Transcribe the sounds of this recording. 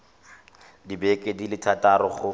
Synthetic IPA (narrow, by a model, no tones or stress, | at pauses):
dibɛkʼedilɪtʰatʼaɾɔχʊ